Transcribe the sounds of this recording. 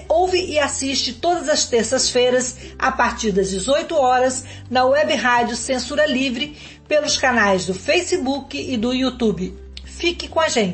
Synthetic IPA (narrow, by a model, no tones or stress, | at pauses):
owvɪʔɪasiʃt͡ʃɪt̪od̪ɐzɐst̪eɾsɐsfejɾɐz | a̰paɾt͡ʃiɾd̪ɐzd͡ʒɪzojt̪ʊɔɾɐz | nɐwɛbɪɦad͡ʒʊsẽsuɾɐlivɾɪ | pelʊskanajzd̪ʊfejsɪbukɪɪd̪ʊiut̪ubɪ | fikɪkõaʒẽnt͡ʃɪ